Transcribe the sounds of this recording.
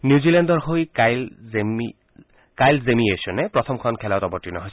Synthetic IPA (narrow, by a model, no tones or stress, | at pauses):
njiuzilɛndɔɹɦojkal | kajlzemiesɔnɛpɹɔt̪ʰɔmkʰɔnkʰɛlatɔbɔɹtːinɔ̰ɦɔj